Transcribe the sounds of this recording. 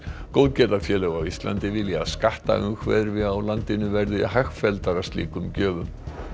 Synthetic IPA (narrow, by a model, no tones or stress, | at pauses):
kowðcɛːt̪afjɛːlœɣawist̪la̰nt̪ɪvɪljaskaht̪a̰ʔʏŋkʰvɛ̰ðɾvɪawlant̪ɪnʏvɛɾðʏɪ̰ɦaxfɛlt̪aɾast̪lḭːkʏmcœːvʏm